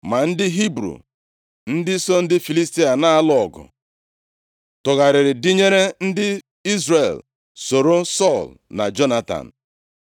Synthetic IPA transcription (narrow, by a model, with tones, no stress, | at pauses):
ma˨n̩˦dɪ˦ɦi˦bɾṵ˨ | n̩˦dɪ˦sɔ˦n̩˦dɪ˦fi˨li˦sti˦a˨na˦a˦lɔ˨ɡʊ̰˨ | tʊ˨ɣa˨ɾɪ˨ɾɪ˨di˦ɲe˦ɾe˦n̩˦dɪ˦ | i˦zɾe˨l | so˨ɾo˦sɔ˦˨lna̰˨d͡ʒo˦na˦ta̰˨n̩˨